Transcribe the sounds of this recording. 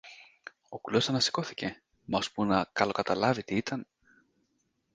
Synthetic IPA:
o̞kulo̞sɐnɐsi̥ko̞θi̥ce̞ | mɐspunɐkɐlo̞kɐt̪ɐlɐvit̪iit̪ɐn

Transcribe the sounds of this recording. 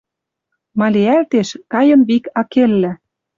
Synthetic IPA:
mɑlʲeælt̪eʃkɑjɤ̆nβikɑkelːæ

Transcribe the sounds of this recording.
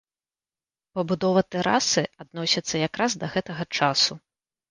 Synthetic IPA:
pɐbud̪ɔvɐt̪ɛɾa̰sɨad̪nɔsʲɐt̪sːɐjakɾazd̪ɐɣɛt̪ɐɣɐt͡ʂasu

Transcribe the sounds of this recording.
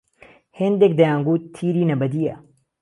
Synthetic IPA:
hend̪ek̚d̪ɐjãːŋɡut̪ʰːiːɾiːnɐbɐd̪ija̰

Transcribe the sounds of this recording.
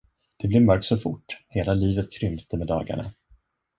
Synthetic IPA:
d̪̥ɛblɛɾmœɾk̚t̪sɔfʊ̰ʈːheːlaliːvət̪kʰɾʏmt̪ʰəmɛd̪ɑ̰ːɡa̰ɳa̰

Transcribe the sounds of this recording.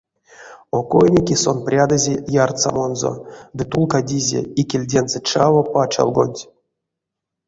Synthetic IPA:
okojnʲikʲisonprʲad̪ɨzʲejart̪sa̰monzo̰d̪ɨt̪ulˠkadʲizʲḛikʲelʲdʲenzɛt͡ʃavopat͡ʃa̰lˠɡo̰nʲtʲ

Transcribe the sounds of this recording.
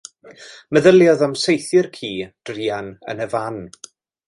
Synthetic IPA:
məðəlˠjɔðamsejθɨrkʰiːd̥rianə̰nəvan

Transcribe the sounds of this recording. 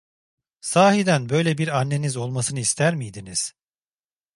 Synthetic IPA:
saːɦid̪ænbø̞jlʲebiɾanːe̞nizo̞lˠmasɯnɯist̪ʰæɾmijd̪iniz̥

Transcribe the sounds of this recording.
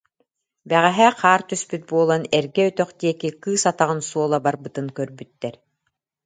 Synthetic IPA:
bɛʁɛɦɛːqʰaːɾt̪yspyt̪̚buɔlˠanɛɾɡɛyt̪œχd̪iɛkikɯːsat̪aʁɯnsuɔlˠabaɾbɯt̪ɯnkœɾbyt̪ːɛɾ

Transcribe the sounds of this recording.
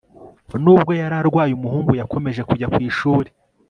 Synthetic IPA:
nuːb̚ɡo̞jaɾaɾɡwaːjumuhuːŋɡujakʰo̞me̞ʒe̞kuɟakwiːʃuːɾe

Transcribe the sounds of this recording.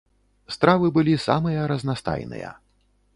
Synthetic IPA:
st̪ɾavɨbɨlʲisa̰mɨjɐɾɐznast̪a̰jnɨ̰jɐ̰

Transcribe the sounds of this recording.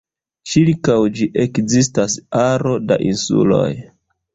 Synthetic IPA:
t͡ʃiɾkawd͡ʒiʔe̞kzis̬tasaɾo̞da̰ʔinsṵlo̞̰j

